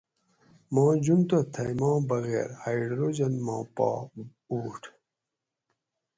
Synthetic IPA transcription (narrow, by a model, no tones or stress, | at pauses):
mɑ̃ːd͡ʑunt̪ot̪ʰɐjmɑ̃ːbɐɣḛːɾhaiɖɾoːd͡ʑɐnmãːpɑ̰ː | uːʈʰ